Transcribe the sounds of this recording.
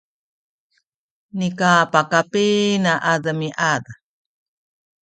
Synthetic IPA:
nikaːpakapiːnaʔaðamiʔada

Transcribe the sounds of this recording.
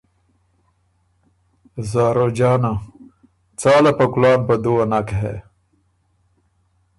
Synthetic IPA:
zaːɾod͡ʑaːna | t͡saːlapɐkulaːnpɐd̪uwɐnakeɦḛ

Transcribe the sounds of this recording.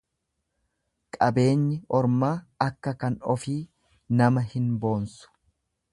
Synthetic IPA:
kʼɐbe̞ːɲːɪɔɾmaːɐkːɐkɐnɔfiː | nɐmɐhɪnbo̞ːnsʊ̥

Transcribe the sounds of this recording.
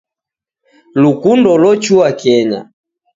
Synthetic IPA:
lukundɔlɔt͡ʃuakɛɲa̰

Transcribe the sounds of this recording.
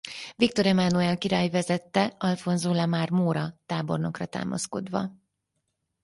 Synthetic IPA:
vik̚t̪o̞ɾɛmanuɛlkiɾaːjvɛzɛt̪ːɛɒlfo̞nzoːlamaːrmoːɾɒt̪aːbo̞̰rno̞krɒt̪a̰ːmʔɒ̰sko̞̰d̪ʋɒ̰

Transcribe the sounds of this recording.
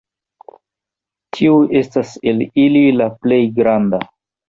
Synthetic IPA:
tʰiuʔe̞stase̞lililaple̞jɡɾanda

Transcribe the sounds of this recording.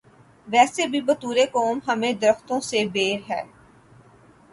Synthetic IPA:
ʋɛːsebʱibɐt̪uːɾekɔːmɦɐmẽd̪əɾəxt̪õsebeːɾɦɛː

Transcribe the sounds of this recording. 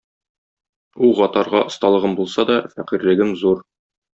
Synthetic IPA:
uʁɒt̪ɑɾʁɑʔŏst̪ɑlˠɤ̆ʁɤmbulˠsɑd̪ɒfæqiɾlɘ̆ɡɘmzuɾ

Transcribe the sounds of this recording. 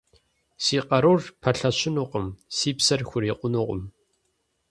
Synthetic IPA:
siːqʼɐɾurpʰɐɬɐɕʰɪnuːqʷʼʊmsiːpsɐrxʷʊɾiːqʷʼʊnuqʷʼʊ̰m

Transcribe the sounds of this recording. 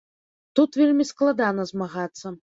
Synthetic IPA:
t̪ut̪vʲelʲmʲisklˠad̪anɐzmaɣat̪sːɐ

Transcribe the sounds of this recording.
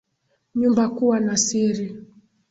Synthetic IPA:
ɲumbakuwanasiɾi

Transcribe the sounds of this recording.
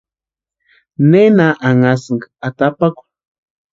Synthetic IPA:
nenaʔaŋasŋɡaat̪apaku̥

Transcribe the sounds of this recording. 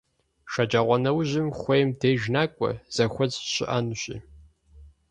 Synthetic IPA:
ʃɐd͡ʒaːʁʷɔnɐwʑɪmχʷejmdʰeːjʒnaːkʷʼɔ̰z̥ɐxʷɔt͡sɕɪ̰ʔaːnuɕḭː

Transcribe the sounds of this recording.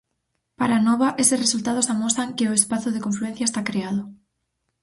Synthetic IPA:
paɾanoβ̞aʔesesresult̪að̞osamosaŋkeʊespaθoð̞ekoɱfluen̟θjaest̪akɾeað̞ʊ

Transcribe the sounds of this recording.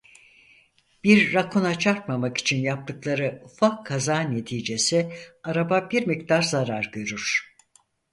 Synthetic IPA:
b̥iɾːakʰunat͡ʃʰaɾt̪̚mamaki̥t͡ʃʰinjap̚t̪ʰɯklˠaɾɯufakʰːazaːne̞t̪ʰiːd͡ʒe̞siaɾababiɾmik̚t̪ʰaɾzaɾaɾɟø̞ɾyɾ̥

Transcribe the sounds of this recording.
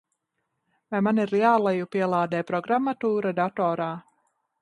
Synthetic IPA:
vajmaniɾiaːlˠajupiɛlˠaːd̪ɛːpɾɔɡɾamːat̪uːɾad̪at̪ɔːɾaː

